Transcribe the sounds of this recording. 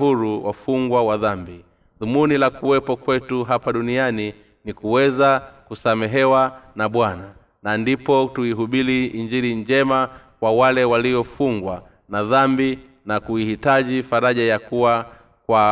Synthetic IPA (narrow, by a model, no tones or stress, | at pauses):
ɦuɾuwa̰fuŋɡwawaðambi | ðumunilakuwɛpɔkwɛtuɦapaɗuniani | nikuwɛzakusamɛɦɛwanaɓwana | nandipɔtuiɦuɓiliiɲd͡ʒiɾiɲd͡ʒɛmakwawalɛwaliɔfuŋɡwa | naðambi | nakuihitaʄifaɾaʄajakuwa | kwa